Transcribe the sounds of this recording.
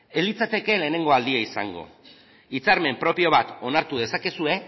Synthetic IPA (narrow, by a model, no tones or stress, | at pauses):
elit͡sat̪e̞ke̞le̞ːne̞ŋɡo̞ald̪iaisa̰ŋɡo̞̰ | it͡saɾme̞mpɾo̞pio̞β̞at̪o̞naɾt̪uð̞e̞sake̞sue̞